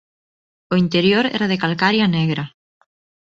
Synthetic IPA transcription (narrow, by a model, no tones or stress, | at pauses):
oint̪eɾjoɾɛ̰ɾaðekalkaɾjaneɣɾɐ